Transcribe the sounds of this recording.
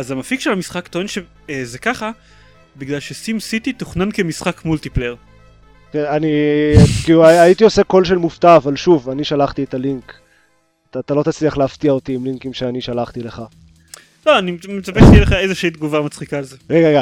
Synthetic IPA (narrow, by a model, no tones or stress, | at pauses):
azamafikʃelamisχakt̪oenʃe | ezekaχa | biɡlalʃesimsit̪it̪oχnankemisχakmult̪ipleeʁ | keanikiːluaait̪io̞se̞ko̞lʃe̞lmuft̪aːvalʃuvaniʃalaχt̪iet̪aliŋk | taːt̪alo̞t̪at͡sliaχleaft̪iao̞t̪iimliŋkimʃeaniʃalaχt̪ile̞χa | loanimmet͡saveʃejɛleχaezeʃiid̪ɡuvamat͡sχikaːlzeʁeɡaʁeɡa